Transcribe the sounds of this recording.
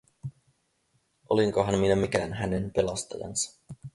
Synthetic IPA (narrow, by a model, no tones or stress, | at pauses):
ʔo̰liŋkoɦɑnminæmikæːnɦænenpelɑst̪ɑ̰jɑ̰nsɑ̥